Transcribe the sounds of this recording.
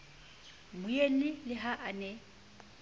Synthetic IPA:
mʊjen̩ɪlɪɦaʔanɛ

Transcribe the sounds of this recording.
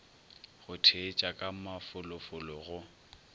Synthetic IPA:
ɣʊtʰet͡ʃʼakʼamafʊlʊfʊlɔɣʊ

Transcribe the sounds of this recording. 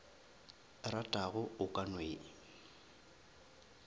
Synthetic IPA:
ratʼaɣʊʊkʼanweː

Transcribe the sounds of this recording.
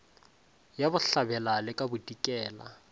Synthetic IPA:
jabʊɬabɛlalɪkʼabʊdikʼɛːla̰

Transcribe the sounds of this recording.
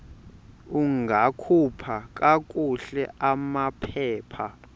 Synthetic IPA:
uŋɡʱakʰupʰakʼakʼuɬɛʔamapʰɛːpʰa

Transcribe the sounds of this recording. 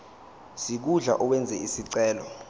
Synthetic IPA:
sik̬uɮa̰ʔɔkwɛnd͡zʱɛisiǀɛːlɔ

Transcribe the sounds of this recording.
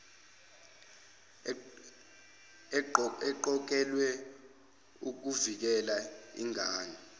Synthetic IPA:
ɛǃɔk̬ɛlwɛ | uk̬uvik̬ɛlaḭŋʱaːɲɛ

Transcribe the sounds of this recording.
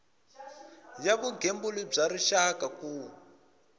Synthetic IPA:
jaβuɡʱembulib͡ʐaɾiʃakakuː

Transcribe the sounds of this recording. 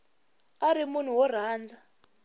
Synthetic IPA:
aɾimun̤uwɔr̤aːnd͡za

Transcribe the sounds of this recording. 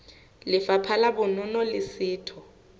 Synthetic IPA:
lɪfapʰalabʊnɔnɔlɪsɪːtʰɔ

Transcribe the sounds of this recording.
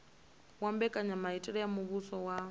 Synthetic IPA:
wambɛkʼaɲamaitʼɛɺɛjamuβusɔwa

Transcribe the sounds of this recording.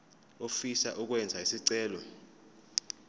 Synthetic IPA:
ofisa̰ʔuk̬wɛnd͡zʱaisiǀɛːlɔ

